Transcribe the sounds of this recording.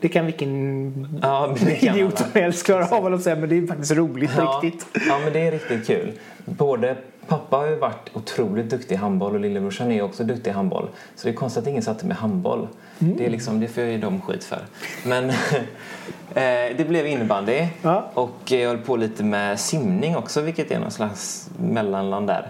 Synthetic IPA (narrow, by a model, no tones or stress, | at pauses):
d̪ɛkʰanvɪkːən | ɑːɪd̪ɪuːanɛlskʰlɑːɾaavɔlɔsɛjːamɛnd̪ɛːjʏfak̚t̪ɪst̪ɾuːlɪt̪pɾɪkt̪ɪt̪ɑːmɛnd̪ɛæɾɪk̚t̪ɪt̪̚kʰʉ̟ːl | boːd̪ə | pʰapːahajʉvaʈːʊt̪ʰɾuːlɪt̪̚d̪ɵkt̪ɪɦambɔlɔlɪlːəmʊʂanæjɔksɔd̪ɵk̚t̪ɪɦambɔ̰l | sɔd̪ɛkʰɔnst̪at̪ɪŋːənsat̪səmɛ̰ɦambɔ̰l | d̪ɛːlɪksɔmd̪ɛfojɑjd̪ɔmɧḭːt̪fœ̰ɾmɛn | d̪ɛblɛvɪnːəband̪ɪːʔɔkːjɑhɔlːpʰoːliːt̪əmɛsɪmnɪŋɔksɔvɪlkːət̪ɛ̰nɔ̰nslaks | mɛlːanland̪d̪æ̰ːɾ